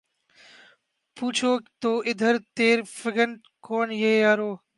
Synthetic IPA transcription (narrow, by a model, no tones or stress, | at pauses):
puːt͡ʃʰoːt̪oːʔɪd̪ʱəɾt̪eːɾfɪɡəɳ | kʰoːnjeːjaːɾoː